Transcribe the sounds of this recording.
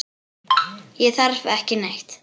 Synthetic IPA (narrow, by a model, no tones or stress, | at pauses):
jɛθaɾvɛhcɪnejht̪